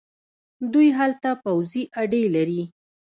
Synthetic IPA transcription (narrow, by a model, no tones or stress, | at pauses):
d̪ujɦalt̪apawziʔaɖelaɾi